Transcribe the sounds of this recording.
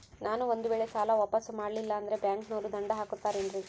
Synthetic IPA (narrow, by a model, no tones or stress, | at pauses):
naːnuond̪uʋeːɭe̞saːlɐʋaːpɐsmaːɽlilːɐːnd̪ɐɾe̞bjaːŋknoːɾud̪ɐɳɖɐɦaːkut̪ːaːɾenɾi